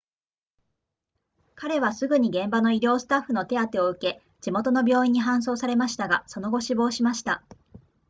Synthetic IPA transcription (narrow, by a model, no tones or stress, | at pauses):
kaɾe̞βasɨɡɯ̟ɲ̟iɡẽ̞mbano̞iɾʲo̞ːsɨ̥t̪aɸːɯno̞t̪e̞at̪e̞o̞ɯ̟ke̞ | d͡ʑ̥imo̞t̪o̞no̞bʲo̞ːĩɲ̟ːiɦãɰ̃s̬o̞ːsaɾe̞maɕi̥t̪aɡaso̞no̞ɡo̞ɕibo̞ːɕimaɕi̥t̪a